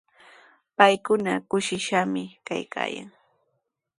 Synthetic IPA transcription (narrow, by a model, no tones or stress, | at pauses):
pajkʊnakʊʃɪʃamɪkajka̰ːja̰ŋ